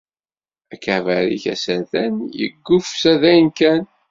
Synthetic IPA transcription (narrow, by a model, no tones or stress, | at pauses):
ækævæɾḭçæ̰sæðænjə̰ɡːʊfsæðæjnkæn